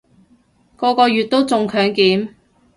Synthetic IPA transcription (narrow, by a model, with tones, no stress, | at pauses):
kɔː˧kɔː˧jyː˨t̚t̪o˥wt͡sʊ˨˧ŋkʰœː˨˥ŋkiː˨˥m